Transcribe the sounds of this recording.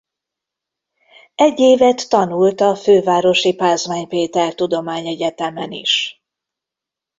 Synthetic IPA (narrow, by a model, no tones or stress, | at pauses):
ɛɟːeːvɛt̪ːɒnult̪ɒføːvaːɾo̞ʃipaːzmaːɲpeːt̪ɛrt̪ud̪o̞maːɲɛɟɛt̪ɛmɛnḭʃ